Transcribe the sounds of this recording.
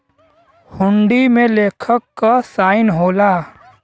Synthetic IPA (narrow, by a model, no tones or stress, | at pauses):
hʊɳɖimẽleːkʰəkːasaːɪnɦoːla